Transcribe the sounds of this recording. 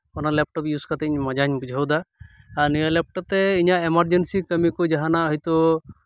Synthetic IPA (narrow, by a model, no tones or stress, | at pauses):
ɔnalɛp̚ʈɔpjuskat̪ɛɲmad͡ʒaɲbud͡ʒʱəwd̪aː | ɾnijəlɛp̚ʈɔt̪ɛiɲaemaɾd͡ʒensikəmikɔd͡ʒaɦanaɔɦjt̪ɔ